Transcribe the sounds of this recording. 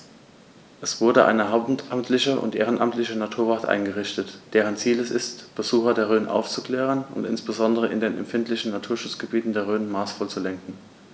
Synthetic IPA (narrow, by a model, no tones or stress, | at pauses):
ʔɛsv̥ʊɐdəʔa̰ɪnəɦaʊptamtʰlɪçəʔʊ̰ntʔeːʁ̞ənʔa̰mtlɪçənatʰuːɐvatʔa̰ɪnɡəʁ̞ɪʃtətd̥eːʁ̞ənt͡siːlɛsɪstb̥əzuːxɐdeːɐʁøːnʔa̰ʊft͡sukl̥ɛːʁ̞ənʊ̰ntɪ̰nsb̥əzɔndəʁ̞əɪ̰ndeːnɛ̰mfɪntʰlɪçn̩natʰuːɐʃʊt͡sɡ̥əbiːtn̩deːɐʁøːnmaːsfɔlt͡sulɛŋkŋ̩